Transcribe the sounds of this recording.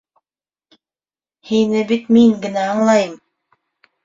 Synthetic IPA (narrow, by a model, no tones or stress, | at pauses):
hinɘbit̪miŋɡɘ̆næɑɴlˠɑjɤm